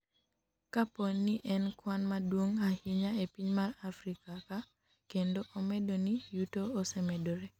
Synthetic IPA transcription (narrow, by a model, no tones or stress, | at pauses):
kaponːiʔɛnkwanmadwoŋahiɲaepiɲmarafɾikaka | kendoʔɔmɛdonijutoːsɛmɛdoɾe